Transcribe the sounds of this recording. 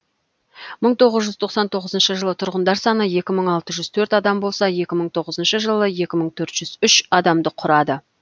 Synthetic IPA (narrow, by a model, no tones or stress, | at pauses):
məɴt̪ʰo̞ʁəzʒʏzt̪ʰo̞qsɑnt̪ʰo̞ʁəzənʃəʒəlˠət̪ʰʊɾʁənd̪ɑɾsɑnəje̞kʲɪməɴɑlˠt̪əʒʏzt̪ʰɵɾt̪ɑd̪ɑmbo̞lˠsɑje̞kʲɪməɴt̪ʰo̞ʁəzənʃəʒəlˠəje̞kʲɪməɴt̪ʰɵɾt̪ʒ̥ʏz̥ʏʃɑd̪ɑmd̪əqʰʊɾɑd̪ə